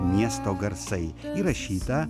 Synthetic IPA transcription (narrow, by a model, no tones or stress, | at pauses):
mʲjɛst̪ɔɡɐɾsɐjiɾɐɕiːt̪ɐ